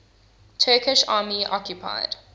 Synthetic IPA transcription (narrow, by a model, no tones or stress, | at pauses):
tʰɜːkɪʃɑ̰ːmiʔɔkjupʰa̰ɪd̥